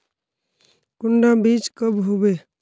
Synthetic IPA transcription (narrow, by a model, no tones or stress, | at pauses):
kuɳɖabit͡ʃkəbɦobe